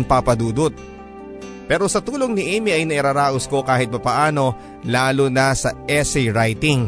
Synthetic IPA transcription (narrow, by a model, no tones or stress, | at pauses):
ŋpapɐd̪uːd̪ot̪̚ | pɛːɾo̞sɐt̪uːloŋnɪʔiːmiɐjnɐʔɪɾaːɾaːʔosko̞kaːhɪt̪̚mɐpɐʔaːno̞ | laːlonɐsɐʔɛsɛjɾajt̪ɪŋ